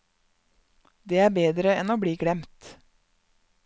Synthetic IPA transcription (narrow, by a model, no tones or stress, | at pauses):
d̪eːæːbeːd̪ɾəɛnoːbɽiːɡɽɛmt̪